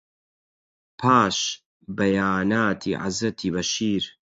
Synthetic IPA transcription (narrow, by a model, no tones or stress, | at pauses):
pʰaːʃ | bɐjaːnaːt̪ʰḭʕa̰zɐt̪ʰiβɐʃiːɾ